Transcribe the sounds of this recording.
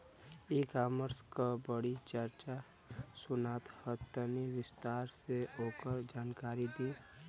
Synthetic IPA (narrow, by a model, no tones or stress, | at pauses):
ikaːməɾskabəɽit͡ʃəɾt͡ʃa | sʊnaːt̪hət̪ːəniʋɪst̪aːɾseoːkəɾd͡ʒaːnkaːɾid̪iː